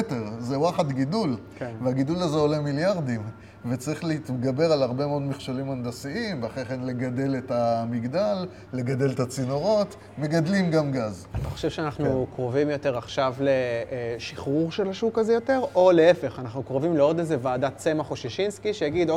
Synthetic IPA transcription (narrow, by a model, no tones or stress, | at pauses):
teʁzewaχat̪ɡidulkenveaɡidulazeolemiljaʁd̪im | vet͡saʁiχleit̪ɡabe̞ʁalaʁbe̞meod̪meχʃalimand̪asiimveaχeχenle̞ɡad̪e̞letamiɡd̪alː | e̞ɡad̪e̞let̪at͡sino̞ʁo̞t̪ | me̞ɡad̪limɡamɡazat̪aχoʃevʃeanaχnukʁovimjo̞te̞ʁaχʃavleʃiχʁuʁʃelaʃukazejo̞te̞ʁo̞le̞efe̞χanaχnukʁovimleo̞dezevaːdat͡se̞maχoʃiʃinskiʃejaɡid̪o